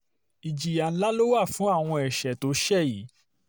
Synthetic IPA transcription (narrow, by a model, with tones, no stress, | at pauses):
i˨d͡ʒi˨ja˨n̩˦la˦lo˦wa˦˨fũ˨˦a˦˨w̃ɔ̃˧ɛ˨ʃɛ˨to˨˦ʃɛ˦˨ji˨˦